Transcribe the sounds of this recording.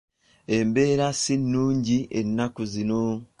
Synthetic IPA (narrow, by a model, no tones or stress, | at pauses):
embe̞ːɾasinːuːɲɟiʔḛnːakuzino